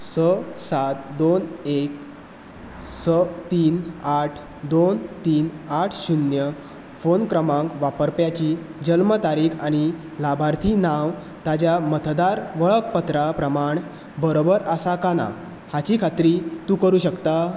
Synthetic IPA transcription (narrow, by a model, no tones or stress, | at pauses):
səsat̪̚d̪onek | sət̪iːnaʈʰ | d̪ont̪iːnaʈʰɕunjə | fonkɾəmãŋkʋapəɾpjat͡ɕiːd͡ʑəlmət̪aɾiːkʰaɽ̃i | labʱaɾt̪ʰiːnaʋ | t̪ad͡ʑjamət̪ʰd̪aɾʋəɭək̚pət̪ɾapɾəmaɳ | bəɾobəɾəsakana̰ | hat͡ɕiːkʰat̪ɾiːt̪uːkəɾuːɕəkt̪a